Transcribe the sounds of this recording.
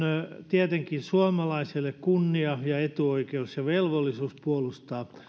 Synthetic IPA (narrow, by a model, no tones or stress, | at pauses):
t̪iæt̪eŋkinsuɑmɑlɑisilːekkunːiɑjɑet̪uoikeusjɑʋelʋolːisuːspuolust̪ɑː